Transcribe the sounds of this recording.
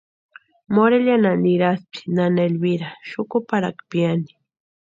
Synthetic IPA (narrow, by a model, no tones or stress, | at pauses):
moɾeʎananiɾaspi̥nanelbiɾaʃʊkʊpaɾakpjani̥